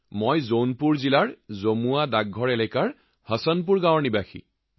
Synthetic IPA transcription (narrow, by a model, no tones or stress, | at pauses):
mojzownpuɹzilaɹzomuadaɡʱɔɹɛlɛkaɹ | hɔsɔnp̬uɹɡawɹnibaxʰḭ